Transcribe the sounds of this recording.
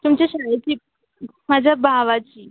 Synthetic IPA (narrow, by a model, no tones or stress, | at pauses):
t̪umt͡ɕeɕat͡ɕiː | mad͡ʑʱjabʱaʋat͡ɕiː